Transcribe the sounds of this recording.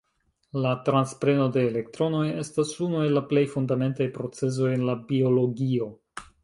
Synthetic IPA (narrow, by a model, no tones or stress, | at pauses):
latɾanspɾe̞no̞de̞ːle̞k̚tɾo̞no̞je̞stasunue̞lːaple̞jfundame̞ntajpɾo̞t͡se̞s̬o̞jenlabio̞lo̞ɡio̞